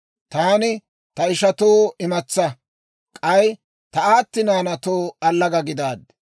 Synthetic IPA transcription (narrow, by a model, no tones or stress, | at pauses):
t̪aːnɪ | t̪ɐɪʃɐt̪oːɪmɐt͡sːɐ | kʼɐj | t̪ɐaːt̪ːɪnaːnɐt̪oːɐlːɐɡɐɡɪd̪aːd̪